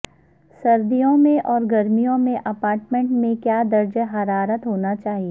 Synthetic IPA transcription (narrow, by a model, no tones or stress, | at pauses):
sɐɾd̪ijõmẽʔɔːɾɡɐɾmijõmẽʔɐpaːɾʈmẽɳʈmẽkjaːd̪ɐɾd͡ʒəɦɐɾaːɾət̪ɦoːnat͡ʃaːɦieː